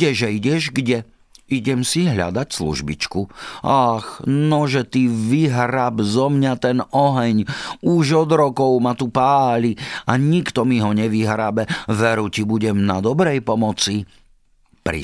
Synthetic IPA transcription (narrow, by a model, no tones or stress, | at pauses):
ɛʒɛiɟɛʒɡɟɛ | iɟɛmsiɦʎa̰d̪acslṵʒbḭt͡ʃkuaxnɔʒɛt̪iʋiɦɾabzɔmɲat̪ɛnɔɦɛɲuʒɔd̪ɾɔkɔʊmat̪upaːʎiaɲikt̪ɔmiɦɔɲɛʋiɦɾabɛʋɛɾucibuɟɛmnad̪ɔbɾɛjpɔmɔt͡si | pɾḭ